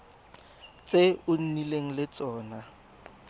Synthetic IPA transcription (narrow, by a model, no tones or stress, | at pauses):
t͡sʼeʊn̩nileŋ̩lɪt͡sʼɔːna